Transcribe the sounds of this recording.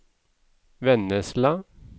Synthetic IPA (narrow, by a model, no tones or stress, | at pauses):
ʋɛnəslɑ